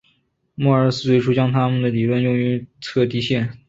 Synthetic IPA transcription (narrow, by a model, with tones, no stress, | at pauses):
mɔ˥˩ə˞˧˥sɹ̩˥˩t͡swe˥˧ɪʈ͡ʂʰu˥t͡ɕjɑ˥ŋt̪ʰa˥mə˨nd̪ə˩li˨˩lwə˥˧njʊ˥˩ŋy˧˥t͡sʰɤ˥˩t̪i˥ɕjɛ˥˩n